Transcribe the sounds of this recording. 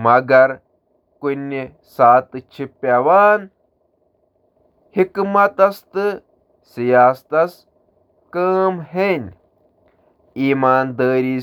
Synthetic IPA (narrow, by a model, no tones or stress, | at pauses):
mɐɡɐɾ | kunʲːi | saːt̪ɨt͡ʃʰipːaʋaːn | hikmɐt̪ɐst̪ɨ | sijaːst̪ɐs | kəːmɦenʲ | iːmaːnd̪əːɾiː